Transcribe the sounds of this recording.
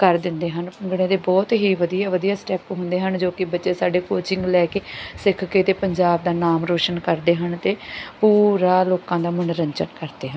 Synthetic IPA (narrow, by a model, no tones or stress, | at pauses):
kəɾd̪ɪnd̪eːɦənpəŋɡɽẽːd̪eːbɔːt̪ɦiːʋəd̪ijaːʋəd̪ijaːsʈɛːpɦʊ̃nd̪eːɦənd͡ʒoːkɪbətːʃeːsaːɖeːkoːt͡ʃɪŋɡlɛːkeːsɪkʰkeːt̪eːpəɲd͡ʒaːb̚d̪aːnaːmɾoːʃənkəɾd̪eːɦənt̪eːpuːɾaːloːkãːd̪aːmʊnɾəɲt͡ʃənkəɾd̪eːɦən